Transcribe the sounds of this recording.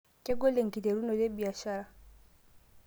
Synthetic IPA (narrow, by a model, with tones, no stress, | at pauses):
kɛ˦ɡɔ˦lɛ˨ŋ̩˨ki˨dɛ˨ɾu˦nɔ˨lɛ˦ɓi˨a˨ʃa˦ɾa˨